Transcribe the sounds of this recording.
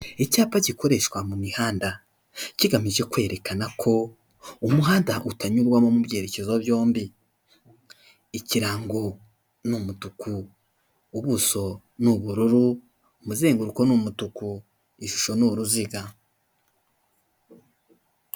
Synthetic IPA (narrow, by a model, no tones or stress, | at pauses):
ecaːpaɟiko̞ɾe̞ʃkwamumihaːnda | ciɡamiʒe̞kwe̞ːɾe̞kanakʰo̞ | umuɦaːndaʔutaɲuɾɡwamo̞mubje̞ːɾe̞ce̞zo̞bjo̞ːmbi | ciɾaːŋɡo | numutukuː | βuso̞ | nuβuɾuɾu | umuzeːŋɡuɾuko̞numutuku | iʃu̥ʃo̞nuɾuziɡa